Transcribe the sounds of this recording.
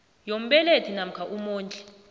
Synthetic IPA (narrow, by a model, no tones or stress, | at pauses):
jom̩ɓɛletʰinam̩kʰaʔumoːnd͡ɮʼɛ̥